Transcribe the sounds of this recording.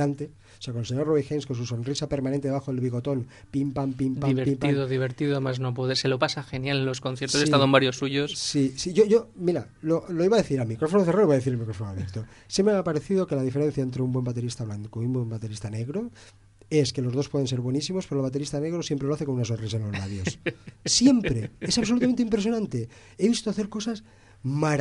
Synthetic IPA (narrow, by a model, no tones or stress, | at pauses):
ant̪e | oseakoelseɲoɾroβixenskons̬uso̞nrisapeɾmanẽnt̪eaxoðelβiɣo̞t̪o̞n | pimpampimdpaiβeɾpimp̪iðoðiβeɾt̪iðomaznopoðeselopasaxenjalelo̞skonθjeɾt̪osest̪aðombaɾjosːuʝossisiʝoʝo̞miɾaloloiβaðe̞θiɾalmikɾo̞fonoθeraoiβaðeθiɾelmikɾo̞fonoalekt̪o | sjempɾeapaɾeθiðo̞ke̞laðifeɾe̞n̟θjaent̪ɾeumbwe̞mbat̪e̞ɾist̪aβlaŋkoumbwe̞mbat̪e̞ɾist̪ane̞ɣɾo | e̞ske̞lo̞zðospweense̞ɾβwenisimospeɾolβat̪̬eɾist̪ane̞ɣ̞ɾosjempɾe̞loaθeko̞nunasonris̬aenlo̞zlaβjossje̞mppɾeesaβs̬olut̪amnt̪eimpɾes̬jo̞nãnt̪e | e̞βist̪oaθeɾko̞sas | maɾ